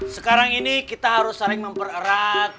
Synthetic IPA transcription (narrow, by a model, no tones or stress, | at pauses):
səkaɾaŋinikit̪aɦaɾʊsːaɾɪŋməmpərəɾat̪̚